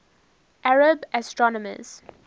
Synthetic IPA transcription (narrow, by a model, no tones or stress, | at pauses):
ʔaɹəbɛstɹɔnɔmə̰z̥